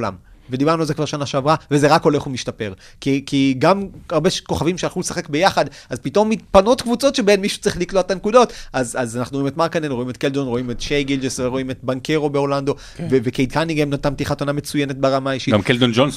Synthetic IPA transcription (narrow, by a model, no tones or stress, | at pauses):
la̰mved̪ibaʁnualzekvaʁʃanaʃeavʁaveze̞ʁako̞le̞χumiʃtape̞ʁ | kikiɡamaʁbeʃko̞χavimʃealχulesaχe̞kbe̞jaχad̪ | azpit̪o̞mit̪̚pano̞tkvut͡so̞tʃebenmiʃu̥t͡siχliklotetanekudo̞tazazanaχnuʁimet̪maʁkanenʁoimet̪keldonʁo̞imetʃejɡild͡ʒesveʁo̞imet̪baŋke̞ʁo̞beoland̪o̞ | vevekejd̚kaniŋɡemnatamt̪iχatoname̞t͡sujene̞t̚baʁamaiʃiɡamkeld̪ond͡ʒon